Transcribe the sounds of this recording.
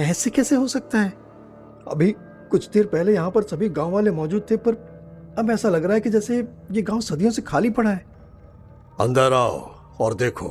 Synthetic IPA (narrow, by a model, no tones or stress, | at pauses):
ɛːsekɛːseɦosɐk̚t̪aɦɛː | ɐ̰bʱi | kʊt͡ʃʰd̪eːɾpɛɦlejɐɦãpɐɾsɐbʱiɡãːõʋaːlemɔːd͡ʒuːd̪̚t̪ʰepɐɾ | ɐbɛːsalɐɡɾaɦɛkid͡ʒɛːse | jeɡãːõsɐd̪ʱijõsekʰaːlipɐɽaɦɛː | ɐ̰̃nd̪əɾaːo̰ | ɔːɾd̪eːkʰo̰ː